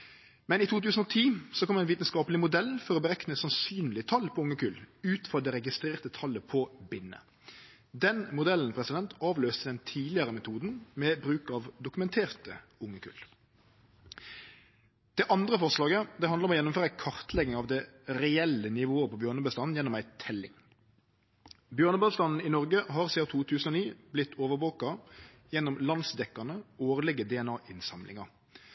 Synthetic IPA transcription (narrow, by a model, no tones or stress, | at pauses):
mɛnɪt̪ʰuːt̪ʰʉːsən̩oːt̪ʰiːsɔkʰɔmd̪ɛnʋiːt̪ənskɑːpəlɪmʊd̪ɛlːfɔɾɔbəɾɛknəsɑnsyːnlɪət̪ʰɑlːpʰɔʊŋːəkʉlʉːt̪fɔd̪ɛɾɛɡɪst̪ʁeːʁt̪ət̪ʰɑlːəpʰɔbɪnːə̰ | d̪ɛnmʊd̪ɛlːən̩pʰɾɛsɪd̪ɛnt̪ʰɑːʋløːst̪əd̪ɛnt̪ʰiːlɪəʁəmɛt̪ʰuːd̪n̩mɛːbʁʉːkɑʋd̪ʊkʉmɛnt̪ʰeːʁt̪ə | ʊŋːəkʰʉ̰ːl | d̪̥ɛʔɑnd̪ʁəfɔʁʂlɑːɡəd̪ɛɑnd̪ʁɔmɔjɛnʊmføːɾəæɪkʰɑʁt̪ʰlɛɡːɪŋɑʋd̪ɛʁɛɛlənɪʋoːəpʰɔbjøːʁnəbəst̪ɑːnn̩jɛnːɔmæɪt̪ʰɛlɪ̰ŋ | bjøːʁnəbəst̪ɑnn̩ɪnɔʁɡəɦɑːʁseːʊt̪ʰuːt̪ʰʉːsən̩oːniːblɪt̪ʰːoːʋəʋoːkɑ | jɛnːɔmlɑnsd̪ɛkːɑnəoːʁlɪɡəd̪ɛɛnɑːʔɪnsɑmlɪ̰ŋɑʁ